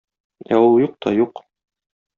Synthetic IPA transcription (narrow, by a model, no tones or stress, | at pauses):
æ̰wujuq̚t̪ʰɒjuq